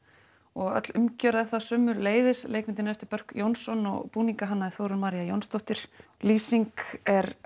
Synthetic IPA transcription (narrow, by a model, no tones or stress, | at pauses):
ɔɣœ̰t̪lʏmcœɾaθasœːmʏɾleːjðɪslejkmɪnt̪ɪnaɛft̪ɪɾpœr̥kjownsɔnɔ̰ɣpuːniŋkaɦanːaðɪθowɾʏnmaːɾiajownst̪ɔwht̪ɪɾ̥liːsiŋkɛɾ